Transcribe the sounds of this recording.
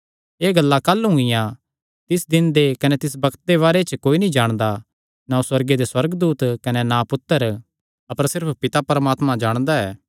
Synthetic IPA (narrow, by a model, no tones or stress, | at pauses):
eːɡɐlːakɐlːɦʊ̃ŋɡɪjã | t̪ɪsd̪ɪnd̪ekɐnɛt̪ɪs̬bɐkʰt̪̚d̪eβaːɾet͡ʃkoːinĩd͡ʒaːɽ̃d̪a | naːũswɐɾɡed̪eswɐɾɡd̪uːt̪kɐnenãpʊt̪ːəɾ | ɐpəɾsɪɾpʰpɪt̪apɐɾəmaːt̪mãd͡ʒaːɽ̃d̪aɛː